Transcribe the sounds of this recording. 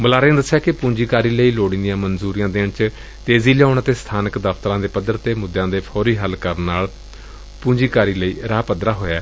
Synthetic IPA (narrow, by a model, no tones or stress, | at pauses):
bəlaːɾẽːd̪əsːjaːkɪpũːɲd͡ʒiːkaːɾiːləiːloːɽĩːnd̪ijãːmənzuːɾɪjãːd̪eːɳt͡ʃ | t̪eːziːlaːnaːt̪eːst̪ʰaːnəkd̪əpʰt̪əɾãːd̪eːpəd̪əɾt̪eːmʊd̪ːjãːd̪eːpʰɔːɾiːɦəlkəɾnːaːl | pũːɲd͡ʒiːkaːɾiːləiːɾaːpəd̪ɾaːɦoːjaː